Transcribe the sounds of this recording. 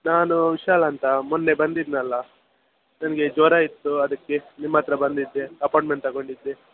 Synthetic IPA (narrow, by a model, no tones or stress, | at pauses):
naːnuʋiʃaːlɐːnt̪ɐmunːe̞bɐnd̪id̪nɐlːɐ | nɐnɐɡe̞d͡ʒɔːɾaːjit̪ːuɐd̪ɐkːe̞nimːaːt̪ɾɐbɐnd̪id̪ːeɐpaːɳʈmeɳʈt̪ɐɡoɳɖid̪ːe